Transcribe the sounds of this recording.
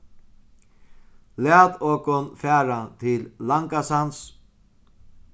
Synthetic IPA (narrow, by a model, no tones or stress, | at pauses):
læːt̪ɔːkʊnfæːɾat̪ʰɪlːaŋkasans